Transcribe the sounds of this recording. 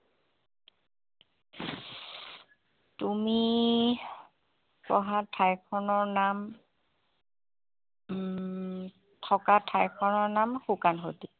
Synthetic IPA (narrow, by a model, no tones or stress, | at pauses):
tumi | pɔɦatʰajkʰɔnɔɹnam | tʰɔkatʰajkʰɔnɔɹnamxukanɦoti